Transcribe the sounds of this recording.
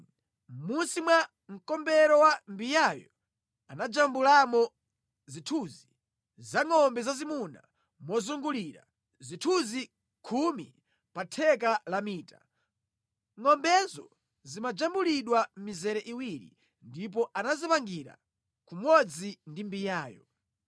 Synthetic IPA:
munsimwa | ŋ̩kɔmbɛɾɔwambijajɔ | anad͡ʒambulamɔ | zitʰuːzi | zaŋɔmbɛzazimuna̰ | mɔzuŋɡuliɾa̰ | zitʰuzi | kʰumḭ | patʰɛk̬alamiːtḁ | ŋɔmbɛzɔ | zimad͡ʒambuliɗwam̩mizɛɾɛʔiwiɾḭ | ndip̬ɔʔanazipaŋɡiɾa̰ | kumɔd͡zindimbijaːjɔ̰

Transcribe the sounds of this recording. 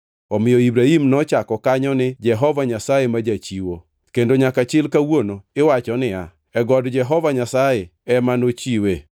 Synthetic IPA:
ɔmɪjɔibɾaimnɔt͡ʃakɔkaɲɔnɪd͡ʒɛɦɔvaɲasajemad͡ʒat͡ʃiwo | kendoɲakat͡ʃɪlkawonoɪwat͡ʃɔnɪa | ɛɡɔdd͡ʒɛɦɔvaɲasajeɛmanot͡ʃiwe

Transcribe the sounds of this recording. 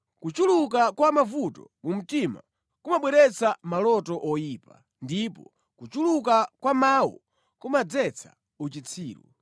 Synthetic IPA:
kut͡ʃuluk̬akwamavutɔmum̩tima̰ | kumaɓwɛɾɛt͡samalɔtɔʔɔjiːpa | ndipɔ | kut͡ʃulukakwamawɔ̰ | kumad͡zɛt͡sʰa̰ | ut͡ʃit͡sʰiːɾɔ̰

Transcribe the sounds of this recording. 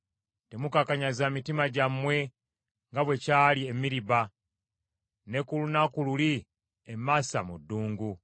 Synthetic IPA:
te̞mukakaɲazamitimaɟamwe̞ | ŋɡaβwe̞caːlie̞miɾiβa | ne̞kulunakululi | emaːsamudːuːŋɡu

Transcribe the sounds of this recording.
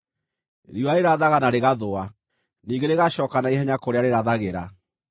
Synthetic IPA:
ɾiwaeɾaðaɣanaɾeɣaðoa | niːɡeɾeɣaʃɔːkanaiɦɛɲakoɾeaɾeɾaðaɣeɾa

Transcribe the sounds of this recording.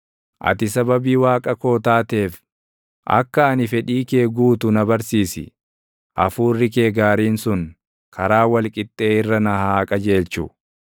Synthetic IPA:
ʔɐ̰t̪ɪsɐbɐbiːwaːkʼɐko̞ːt̪aːt̪e̞ːf | ʔɐ̰kːɐːnɪfɛᶑiːke̞ːɡuːt̪ʊnɐbɐɾsiːsɪ̰ | ʔɐfuːrːɪke̞ːɡaːɾiːnsʊn | kʰɐɾaːwɐlkʼɪt̪ʼːe̞ːɪrːɐnɐhaːkʼɐd͡ʒe̞ːlt͡ʃʊ

